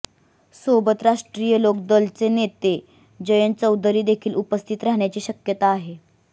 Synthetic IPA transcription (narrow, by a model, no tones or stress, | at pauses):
sobət̪ɾaʂʈɾijəlokd̪əlt͡senet̪e | d͡ʑəjənt͡səwd̪ɾiːd̪ekʰiːlupəst̪ʰit̪ɾaɦɳ̃jat͡ɕiːɕəkjət̪aːɦe